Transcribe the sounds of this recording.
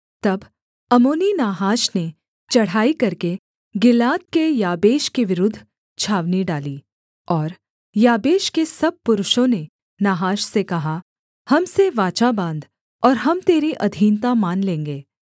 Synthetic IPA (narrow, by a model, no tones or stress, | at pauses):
t̪ɐb | ɐmoːninaːɦaːʃne | t͡ʃɐɽ̤aːikɐɾke | ɡɪlaːt̪̚kejaːbeːʃkiʋɪɾʊd̪ʱː | t͡ʃʰaːʋniɖaːliː | ɔːɾ | jaːbeːʃkesɐb̚pʊɾʊʃõne | naːɦaːʃsekɐɦa | hɐmseʋaːt͡ʃabãːnd̪ | ɔːɾɦɐmt̪eːɾiʔɐd̪ʱiːnt̪amaːnlẽːŋɡeː